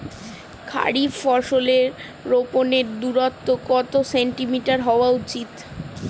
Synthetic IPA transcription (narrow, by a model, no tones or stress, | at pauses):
kʰa̰ɽibfɔɾʃoleɾː | oponeɾd̪uɾat̪ːokɔt̪oseɳʈimiʈaɾɦɔoaut͡ɕit̪